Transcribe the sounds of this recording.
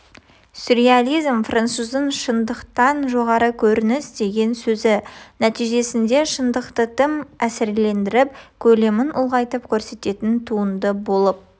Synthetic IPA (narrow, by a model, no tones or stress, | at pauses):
suɾialʲijzmfrant̪suzənʃənd̪əqt̪ɑnʒo̞ʁɑɾəkʲʰɵɾɪnɪsd̪e̞ɡʲe̞nsɵzɪnæt̪ijʒe̞sɪnd̪e̞ʃənd̪əqt̪ət̪ʰəmæsɪɾle̞nd̪ɪɾɪp̚kʲʰɵle̞mɪnʊlˠʁɑjt̪əpkʲʰɵɾse̞t̪e̞t̪ɪnt̪ʰuənd̪əbo̞lˠəp̚